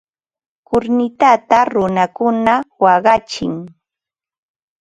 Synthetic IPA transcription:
kʊɾnɪt̪at̪aɾʊnakʊnawɑɢɑt͡ʃɪ̰ŋ

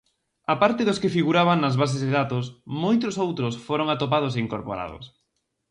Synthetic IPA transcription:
apaɾt̪ɪðʊskɪfiɣuɾaβ̞anɐzβas̬ezðeðat̪ʊsmojt̪ɾʊsowt̪ɾʊsfoɾoŋat̪op̬að̞oseiŋkoɾpoɾa̰ð̞o̰s

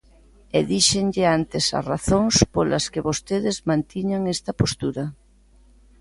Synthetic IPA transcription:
eðiʃeŋʎɪant̪esa̰raθoŋspolɐskeβost̪eðɪzmãnt̪iɲaŋest̪ɐpost̪uɾɐ

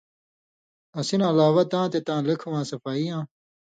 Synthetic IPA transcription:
ɐsinːlaːwɐt̪ãːt̪et̪ãːlɐkʰwãːsɐfaːijãː

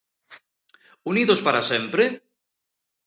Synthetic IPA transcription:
uniðospaɾasempɾe

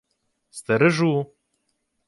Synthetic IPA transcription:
st̪ɛɾɨʒuː

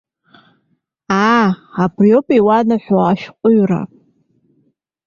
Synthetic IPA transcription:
aabrjopʼiwanaħʷᶣoaʃqʷʼʊɥra̰

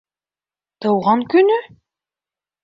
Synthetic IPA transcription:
t̪ɤ̆wʁɑŋkɵ̆nɵ

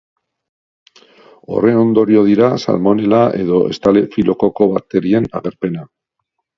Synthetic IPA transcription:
o̞̰re̞o̞nd̪o̞ɾio̞ð̞iɾasa̰lmo̞ne̞laʔe̞ðo̞ʔe̞̰st̪ale̞filʔo̞ko̞ko̞βat̪e̞ɾie̞na̰ɣe̞ɾpe̞na

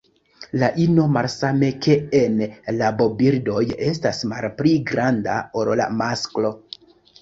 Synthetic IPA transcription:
laʔino̞malsame̞ke̞enlabo̞biɾdo̞jes̬tasma̰lpliɡɾanda̰oɾla̰masklo̞

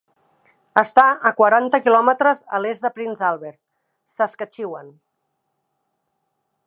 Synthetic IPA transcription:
əst̪aəkwəɾant̪əkilɔmət̪ɾəzə̰lezðəpɾinzalˠβɛɾt̪̚ | səskət͡ʃiwən

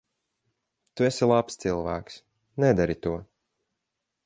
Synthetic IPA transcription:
t̪uɛsʲilˠapst̪silˠvæ̰ːks | nɛd̪aɾit̪uɔ

